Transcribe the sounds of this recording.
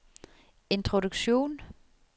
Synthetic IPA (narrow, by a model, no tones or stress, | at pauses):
e̝nt͡sʰʁoduɡ̥ɕo̝̰ːn